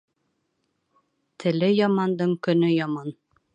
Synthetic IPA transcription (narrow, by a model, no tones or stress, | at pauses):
t̪ʰɘ̆lɘjɒmɑnd̪ɤɴkɵ̆nɵjɒmɑn